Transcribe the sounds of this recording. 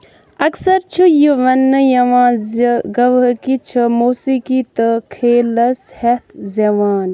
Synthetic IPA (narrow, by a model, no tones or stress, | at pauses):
ɐksɐɾt͡ʃʰujiʋɐnːɨjɐʋãːzɡɐʋɐkit͡ʃʰɐmoːsikit̪ɨkʰeːlɐshet̪zɐʋaːn